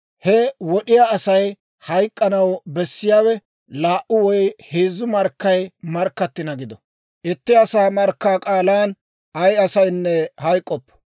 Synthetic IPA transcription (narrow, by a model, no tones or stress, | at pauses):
hɛwɔɗɪjaːsɐj | hɐjkʼːɐnɐwbɛsːɪjaːwɛ | laːʔʊwɔjheːzːʊmɐɾkːɐjmɐɾkːɐt̪ːɪnɐɡɪd̪ɔ | ʔɪt̪ːɪɐsaːmɐɾkːaːkʼaːlaːn | ɐjɐsɐjnːɛhɐjkʼːɔpː